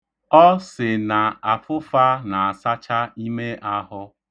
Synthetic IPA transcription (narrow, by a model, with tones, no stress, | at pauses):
ɔ˦sɪ˨na˨a˨fʊ˦fa˦na˨a˨sa˦t͡ʃa˦i˦me˦ʔa˦ɦʊ˦